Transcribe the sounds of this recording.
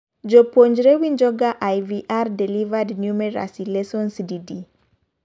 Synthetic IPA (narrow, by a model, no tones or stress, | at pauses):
d͡ʒɔpoɲd͡ʒɾɛwind͡ʒɔɡaʔajviʔardɛlivadnjumɛɾa̰silɛsɔnsdidi